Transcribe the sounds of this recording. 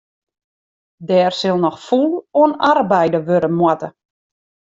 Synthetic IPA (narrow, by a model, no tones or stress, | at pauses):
dɛːrsɪlˠnɔxfulˠoənarbɛjdəʋøɾəmwatə